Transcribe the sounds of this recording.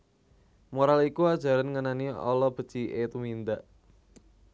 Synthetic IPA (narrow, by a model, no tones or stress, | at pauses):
moɾalikuad̥ʒ̥a̤ɾanŋənaniɔ̰lɔb̥ə̤̥t͡ʃiʔet̪umind̪aʔ